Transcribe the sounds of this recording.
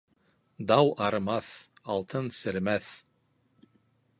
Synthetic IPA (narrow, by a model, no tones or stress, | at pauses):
d̪ɑwɑɾɤ̆mɑθɑlˠt̪ʰɤnsɘ̆ɾmæθ